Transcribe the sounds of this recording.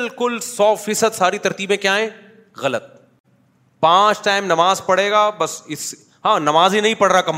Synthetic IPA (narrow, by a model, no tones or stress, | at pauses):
lkʊlsɔːfiːsəd̪saːɾit̪ɐɾt̪iːbẽkjaːɦɛ̃ː | ɣɐlət̪̚ | pãːt͡ʃʈaːɪmnɐmaːzpɐɽeːɡaːbɐsɪs | ɦãːnɐmaːzinɐɦĩpɐɽɾakɐm